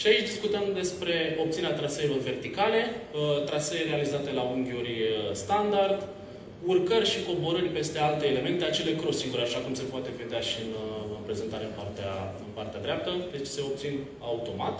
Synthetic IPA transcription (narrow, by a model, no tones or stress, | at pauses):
ʃiait͡ʃd̪iskut̪əmd̪e̞spɾe̞o̞p̚t̪sineat̪ɾasejlorve̞rt̪ikale̞t̪ɾaseeɾealizat̪e̞lauŋɡʲiuɾist̪and̪ard̪ | urkərʲʃiko̞bo̞ɾərʲpe̞st̪e̞alt̪eːle̞me̞nt̪e̞at͡ʃe̞le̞kɾo̞siŋɡuɾʲaʃakumse̞poat̪e̞ve̞d̪eaʃiɨnɨnpɾe̞ze̞nt̪aɾe̞ɨnpart̪ea̰ɨnpart̪ead̪ɾʲeap̚t̪əd̪e̞t͡ʃse̞o̞p̚t̪sin | aut̪o̞ma̰t̪